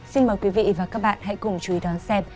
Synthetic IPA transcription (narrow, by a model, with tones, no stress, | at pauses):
si˧nməː˨˩jkwi˨˦vḭ˧˨vaː˨˩kaː˦˥k̚ɓa̰ː˧˨nɦa̰˧˥jkʊ˨˩ŋ͡mt͡ɕu˨i˨˦ɗɔ˨˦nsɛ˧m